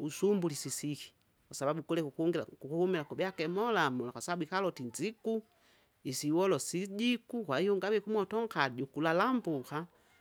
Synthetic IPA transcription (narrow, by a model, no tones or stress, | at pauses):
usumbulisisiki̥ | kwasababukulɛkukuŋɡakukuhumilakubɛakɛmɔlamulakwasababuikalɔtind͡ʒiku | isiwɔlɔsiɟikukwahijɔŋɡawɛkumɔtɔŋkaɟukulalambuka